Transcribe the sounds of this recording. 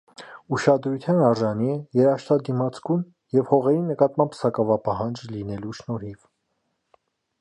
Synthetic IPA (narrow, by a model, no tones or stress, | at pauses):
uʃɑd̪ɾut̪ʰjɑnɑɾʒɑniɛjɛɾɑʃt̪ɑd̪imɑt͡sʰkun | jɛvhɔʁɛɾinəkɑt̪mɑmbsɑkɑvɑpɑhɑnd͡ʒlinɛluʃnɔɾiv